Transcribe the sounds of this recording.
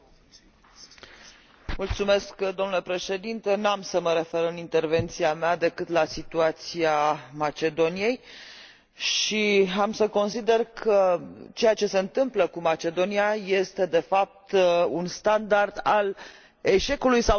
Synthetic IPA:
mult̪sume̞skd̪o̞mnulepɾe̞ʃe̞d̪int̪e̞namsəməɾe̞fe̞ɾɨnint̪e̞rve̞nt̪siamead̪e̞kɨt̪lasit̪uat̪siamat͡ʃe̞d̪o̞nije̞j | ʃiamsəko̞nsid̪e̞rkʰət͡ʃe̞jat͡ʃe̞se̞ɨnt̪ɨmpləkumat͡ʃe̞d̪o̞niaje̞st̪e̞d̪e̞fap̚t̪unst̪and̪ard̪al | e̞ʃe̞kulujsa

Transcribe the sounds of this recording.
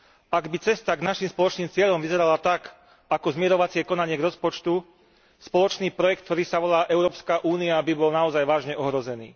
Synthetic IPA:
ʔaɡbit͡sɛst̪aɡnaʃimspɔlɔt͡ʃniːmt͡sɪɛʎɔmʋizɛɾalat̪ak | akɔzmɪɛɾɔʋat͡sɪɛkɔnaɲɪɛɡɾɔspɔt͡ʃt̪u | spɔlɔt͡ʃniːpɾɔjɛkt̪̚t̪ɔɾiːsaʋɔlaːʔɛʊɾɔːpskaʔuːniabibɔlnaɔzajʋaːʒɲɛʔɔɦɾɔzɛnḭː

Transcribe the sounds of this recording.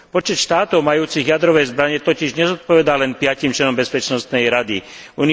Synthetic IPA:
pɔt͡ʃɛt̪ʃt̪aːt̪ɔʊmajuːt͡siɣjad̪ɾɔʋɛjzbɾaɲɛt̪ɔciʒɲɛzɔt̪̚pɔʋɛd̪alɛnpɪacimt͡ʃlɛnɔmbɛspɛt͡ʃnɔst̪nɛjɾad̪iuni

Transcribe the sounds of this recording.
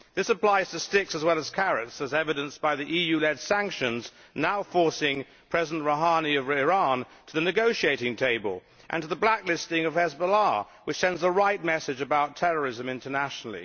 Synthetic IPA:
ðɪsəpʰl̥aɪz̥tʰɨstɪksəzwɛlˠəz̥kʰæɹɨtsɨzɛvɨɾɨ̃nsb̥aɪðiʔijʉlɛd̥sæ̃ŋkʃɨ̃nz | naʊfɔɹsɪ̃ŋ | pʰɹ̥ɛzn̩ʔɹoʊɦɑniʌvɪɹɑ̃n | tʰəðɨnɨɡoʊʃieɪɾɪ̃ŋtʰeɪbə̰lˠ | ʔɨ̰̃ntʰəðəblæklɪstɪ̃ŋʌv̥hɛzbəlɑ | wɨt͡ʃsɛ̃ndzəɹaɪt̚mɛsɨd͡ʒɨbaʊtʰɛɹə˞ɨzɨ̃mɪ̃ntʰənæʃnl̩ˠḭ

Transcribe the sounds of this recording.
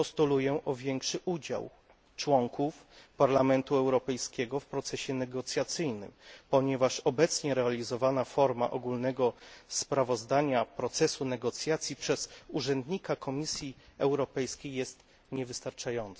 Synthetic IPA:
pɔst̪ulujɛʔɔvʲjɛŋkʂɘʔud͡ʑa̰w | t͡ʂwɔŋkufpaɾlamɛnt̪uɛwɾɔpɛjskʲɛɡɔfpɾɔt̪sɛɕɛnɛɡɔt̪sʲjat̪sɘjnɘ̰mpɔɲɛvaʂɔbɛt̪sɲɛɾɛalʲizɔvanafɔɾma̰ʔɔɡulnɛɡɔspɾavɔzd̪aɲapɾɔt̪sɛsunɛɡɔt̪sʲjat̪sʲjipʂɛz̥uʐɛnd̪ɲikakʰɔmʲisʲjiɛwɾɔpɛjskʲejːɛst̪ | ɲɛvɘst̪aɾt͡ʂajɔnt̪s

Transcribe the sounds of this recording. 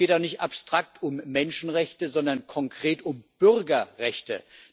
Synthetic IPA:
eːtaʊxnɪçtapstʁ̥ak̚tʰʊmːɛnʃn̩ʁɛçtəzɔndɐnkʰɔŋkʁ̥eːtʊmb̥ʏʁɡɐʁɛçtə̰

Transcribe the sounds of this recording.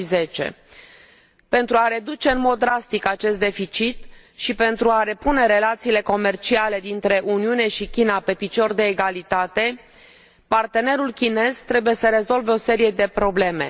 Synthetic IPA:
ize̞t͡ʃe̞̰ | pe̞nt̪ɾuaɾe̞d̪ut͡ʃe̞ɨnmo̞d̪̚ːɾast̪ikat͡ʃe̞st̪d̪efit͡ʃit̪ | ʃipe̞nt̪ɾuaɾe̞pune̞ɾe̞lat̪siːle̞ko̞me̞rt͡ʃiale̞d̪int̪ɾe̞ʔuniune̞ʃikʲinape̞pit͡ʃo̞rd̪e̞ːɡalit̪at̪e̞ | part̪e̞ne̞ɾulkʲine̞zt̪ɾe̞buje̞səɾe̞zo̞lveo̞se̞ɾije̞d̪e̞pɾo̞ble̞me̞̰

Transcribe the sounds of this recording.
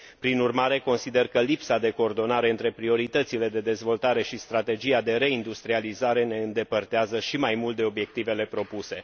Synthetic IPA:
pɾinurmaɾe̞ko̞nsid̪e̞rkəlipsad̪e̞ko̞ːrd̪o̞naɾe̞ɨnt̪ɾe̞pɾio̞ɾit̪ət̪sile̞d̪e̞d̪e̞zvo̞lt̪aɾe̞ʃist̪ɾat̪e̞d͡ʒijad̪e̞ɾe̞ind̪ust̪ɾializaɾe̞ne̞ɨnd̪e̞pərt̪eazəʃimajmult̪̚d̪e̞o̞bje̞kt̪ive̞le̞pɾo̞puse̞

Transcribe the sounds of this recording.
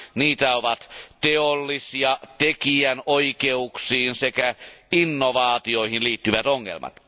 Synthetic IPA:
niːt̪æoʋɑt̪t̪eolːisiɑt̪ekiænoikeuksiːnsekæinːoʋɑːt̪ioihinliːt̪ːyʋæt̪oŋːḛlmʔɑ̰t̪

